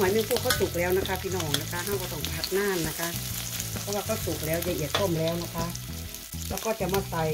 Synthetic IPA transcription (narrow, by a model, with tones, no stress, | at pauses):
aː˨˦jmeː˧˨nkʰuː˧˩kʰa˧˥˩nsu˨˩k̚lɛː˦˥wna˦˧˥kʰa˦˥pʰiː˧nɔː˧˩ŋna˦˧kʰa˧ɦa˧˩wkɔː˧˩t̪ɔ˧˩ŋʰa˧˥k̪̚naː˧˥˩nːa˦˧˥kʰa˦˥pʰɔː˦˥waː˧kʰa˧˩wsu˨˩k̚lɛː˦˥wjaː˧˩ʔi˨˩ət̪̚k̪ʰo˧˥˩mlɛː˦˥wna˦˥kʰa˦˧˥ | lɛː˦˥wkɔː˥˩t͡ɕa˨˩maː˧˩sa˨˧˩j